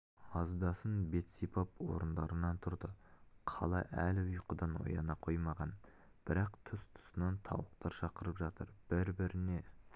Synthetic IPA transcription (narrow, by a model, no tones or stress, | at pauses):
ɑzd̪ɑsənbe̞t̪sipɑpwo̞̰ɾənd̪ɑɾənɑnt̪ʰʊɾd̪əqʰɑ̰lˠɑ̰ʔælɪʊjqəd̪ɑno̞̰jɑ̰nɑqʰo̞jmɑʁɑn | b̥ɪɾɑqt̪ʰʊst̪ʰʊ̥sənɑnt̪ʰɑ̰wəq̚t̪ɑɾʃɑqəɾəpʒɑt̪əɾb̥ɪɾbɪɾɪne̞